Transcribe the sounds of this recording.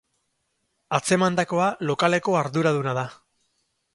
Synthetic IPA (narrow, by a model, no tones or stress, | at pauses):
at͡se̞mand̪ako̞alo̞kale̞ko̞aɾðuɾaðunaða